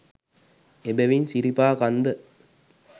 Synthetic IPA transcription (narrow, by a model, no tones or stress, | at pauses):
ebeʋinsiɾipaːkand̪ə